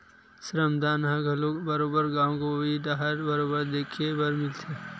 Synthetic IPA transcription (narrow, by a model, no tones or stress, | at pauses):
sɾəmd̪aːnɦãɡʱɐlobəɾoːbəɾɡãːwõkobʱid̪aɦəɾbəɾoːbəɾd̪eːkʰebəɾmɪlt̪ʰeː